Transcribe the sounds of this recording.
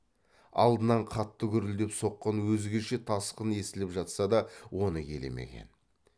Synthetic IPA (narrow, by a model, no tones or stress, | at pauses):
ɑ̰lˠd̪ənɑɴqʰɑt̪ːəkʲʏɾɪld̪epso̞qːɑnwɵzɡʲeʃe̞t̪ʰɑsqəne̞sɪlɪpʒɑt̪sɑd̪ɑwʔo̞nəkʲʰe̞lḛmḛkʲḛn